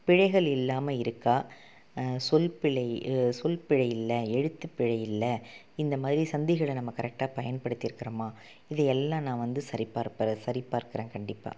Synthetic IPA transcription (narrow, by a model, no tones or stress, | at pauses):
pɪɻɐɪɣɐɭɪlːaːmɐɪɾɯkːaː | sɔlpɪɻɐɪsɔlpɪɻɐjɪlːɐɛɽɯt̪ːɯpːɪɻɐjɪlːɐ | ɪnd̪ɐmaːðɪɾisɐnd̪ɪɣɐɭɐnɐmːɐkɐɾɛk̚ʈaːpɐjɐnpɐɽɯt̪ːɪɾɯkːɪɾɐmaː | ɪðɐɛlːãːnãːʋɐnd̪ɯsɐɾipaːɾpɐɾɐsɐɾipːaːɾkɐɾẽːnkɐɳɖɪpːa̰ː